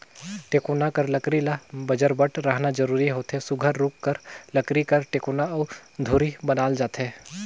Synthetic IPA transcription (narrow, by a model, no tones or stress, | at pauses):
ʈeːkoːnakɐɾlɐkɾilabɐd͡ʒəɾbəʈʰɾəɦnad͡ʒəɾuːɾiɦoːt̪ɦesʊɡʱəɾːʊkːəɾlɐkɾikəɾʈeːkoːnaɐʊd̪ʱoːɾibənaːld͡ʒaːt̪ɦɛː